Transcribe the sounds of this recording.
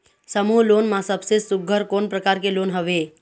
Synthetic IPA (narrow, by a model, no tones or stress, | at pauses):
səmuːɦloːnmãsəbsesʊɡʱəɾkoːnpɾəkaːɾkeloːnɦəʋe